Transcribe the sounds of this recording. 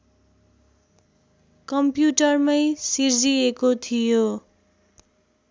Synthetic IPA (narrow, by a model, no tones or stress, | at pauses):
kʌmpjuʈʌrmʌjsird͡ziekot̪ʰijo